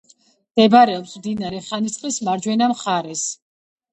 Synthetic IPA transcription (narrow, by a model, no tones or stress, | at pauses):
d̪̥ɛbɾɛɔpsmd̪inaɾɛχanit̪sʼqʼlismaɾd͡ʒwɛnamχaɾɛs